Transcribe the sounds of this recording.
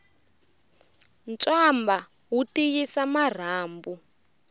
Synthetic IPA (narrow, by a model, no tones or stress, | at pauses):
nt͡sʼamba | ɦutijisamar̤aːmbu